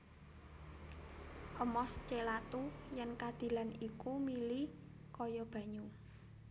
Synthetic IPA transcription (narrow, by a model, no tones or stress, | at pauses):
ʔəmɔst͡ʃelat̪ujɛnkad̪̥i̤lanikumili | kɔjɔb̥ä̤ɲu